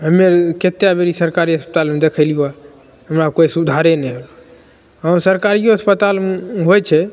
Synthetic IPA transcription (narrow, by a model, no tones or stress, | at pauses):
ɦəmːeɾket̪jabeɾisəɾkaɾiəspət̪almed̪ekʰəɪlijoa | ɦəmɾakoisud̪ʱaɾenɛɦolu | aːɾsəɾkaɾiəspət̪almeɦojt͡ʃʰɛ